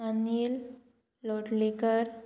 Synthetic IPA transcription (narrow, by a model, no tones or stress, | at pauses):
anilː | oʈlikəɾ